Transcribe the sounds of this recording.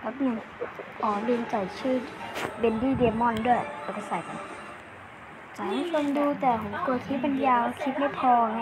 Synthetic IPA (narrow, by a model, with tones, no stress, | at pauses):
la˧˦˥p̚nɯ˧˨ŋ | ʔɔː˨˩lɯː˧nt͡ɕa˨˩jt͡ɕʰɯː˧˥˩be˧ndiː˧˥˩deː˧mɔ˧˥˨ndu˥˩ə˨jlɛː˧˩ka˧˩sa˨˩˦ja˧˩ | t͡ɕa˨˩˦a˧˥˦so˧ŋduː˧t̪ɛː˧˩ɦo˨˦ŋt̪u˧t̪ʰiː˧˥ba˧˨njaː˧wkʰi˦˥t̪̚ma˥˩pʰɔː˧ŋa˧